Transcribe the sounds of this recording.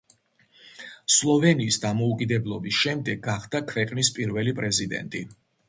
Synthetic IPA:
slˠɔvɛniːsd̪amɔukʼid̪ɛblˠɔbisʃɛmd̪ɛɡaχd̪akʰvɛqʼnispʼiɾvɛlipʼɾɛzid̪ɛ̰nt̪ʼi

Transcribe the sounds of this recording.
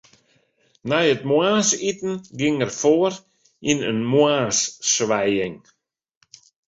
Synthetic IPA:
najət̚mwaːsitn̩ɡɪŋərfoər | inənmwaːsːʋɛjɪŋ

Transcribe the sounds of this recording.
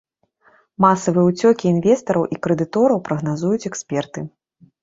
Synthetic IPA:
masɐvɨjɛut͡sʲɔkʲiːnvʲɛst̪ɐɾɐwʔikɾɛd̪ɨt̪ɔɾɐwpɾɐɣnazujut͡sʲɛksʲpʲɛrt̪ɨ

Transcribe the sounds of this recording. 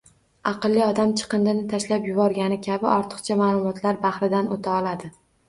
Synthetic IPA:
ɑqɨlːɪɒd̪amt͡ʃʰɨ̥qɨnd̪ɪnɪt̪ʰaʃlapjʊbɒɾɡʲanɪkʲʰabɪʔɒɾt̪ʰɨ̥qt͡ʃʰamaːlˠʊmɒt̪ʰlaɾbaχɾɪd̪anot̪ʰaɒlˠad̪ɪ

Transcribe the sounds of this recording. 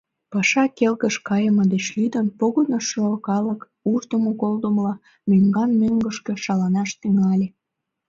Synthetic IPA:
pɑʃɑkelkəʃkɑjəməd̪et͡ɕlyd̪ənpoɣonoʃyɑlkɑlək | uʒd̪əmokold̪əmlɑ | møŋɡɑnmøŋɡəʃkĕʃɑlɑnɑʃt̪yŋɑlʲe

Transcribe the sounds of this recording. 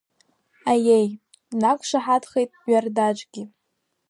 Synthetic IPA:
ajej | nakʷʰʂaħadχejtʼɥardat͡ʃʷʼɡʲi

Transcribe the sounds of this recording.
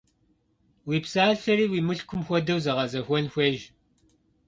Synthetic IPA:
wiːpsaːɮɬɐriːwiːmɨɬkʷʰʊmxʷɔdɐwzɐʁɐzɐxʷɔnxʷeːʒ

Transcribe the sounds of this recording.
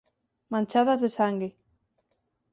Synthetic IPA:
mãnt͡ʃaðazðesaŋɡe

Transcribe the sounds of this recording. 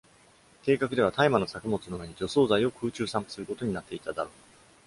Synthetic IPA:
ke̞ːkak̬ɯ̟d̪e̞β̞at̪aimano̞sakɯ̟mo̞t͡sɨnoβe̞ɲ̟id͡ʑo̞so̞ːzaio̞kɯ̟ːt͡ɕɨːsãmpɯ̥sɨɾɯ̟ko̞t̪o̞ɲ̟inat̪ːe̞it̪ad̪aɾo̞ː

